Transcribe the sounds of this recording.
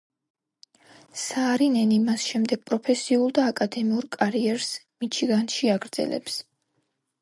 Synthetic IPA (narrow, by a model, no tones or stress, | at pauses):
saːɾinɛnimasʃɛmd̪ɛɡ̥̚pʼɾɔpʰɛsiulˠd̪aːkʼad̪ɛmiuɾkʼaɾiɛɾsmit͡ʃʰiɡanʃiaɡɾd̪z̥ɛ̰lɛ̰ps